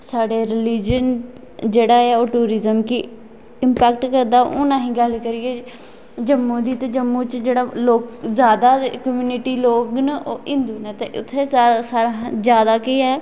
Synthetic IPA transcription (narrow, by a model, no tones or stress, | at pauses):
saːɖeːɾɪliːd͡ʒən | d͡ʒeːɽaːɛːoːʈuːɾɪzəmkɪ | ɪmpɛːk̚ʈkəɾd̪aːʔʊnãːɦĩːɡəlkəɾiɛː | d͡ʒəmːũːd̪iːt̪eːd͡ʒəmːuːt͡ʃd͡ʒeːɽaːloːkzjaːd̪aːkəmjuːnɪʈiːloːknəʔoːʔɪ̃nd̪uːnət̪eːʔʊt̪ʰːeːssaːɾazjaːd̪aːkɪɛː